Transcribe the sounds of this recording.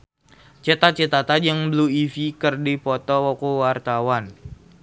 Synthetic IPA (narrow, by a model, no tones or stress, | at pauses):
t͡ʃət̪at͡ʃət̪at̪ad͡ʒəŋbəluifikərdipɔt̪ɔwɔkuwart̪awan